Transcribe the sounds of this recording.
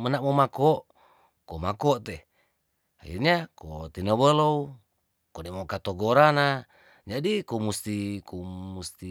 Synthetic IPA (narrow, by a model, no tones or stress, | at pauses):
mənaʔmomakoʔ | komakoʔt̪eh | a̰ḭrɲako̰t̪inəβəlou | konemokat̪oɡoɾana | d͡ʒadikomust̪ikomust̪i